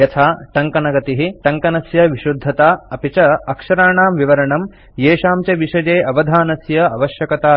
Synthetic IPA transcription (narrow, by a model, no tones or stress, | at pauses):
jɐt̪ʰaːʈɐŋkɐnɐɡɐt̪iɦiʈɐŋkɐnɐsjɐʋiʃud̪ʱːɐt̪aːɐpit͡ʃɐɐkʂɐɾaːɳaːmʋiʋɐɾɐɳɐm | jeːʃaːmt͡ʃɐʋiʃɐd͡ʒeːʔɐʋɐd̪ʱaːnɐsjɐɐʋɐʃjɐkɐt̪aː